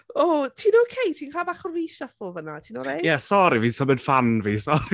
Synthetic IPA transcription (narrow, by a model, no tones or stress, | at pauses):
oːtʰiːnokʰejtʰiːnkʰaːbaχɔviːʃəfʊlˠvənatʰiːnɔɾejɛsɔɾiviːsəbɛd̥fanviːsɔ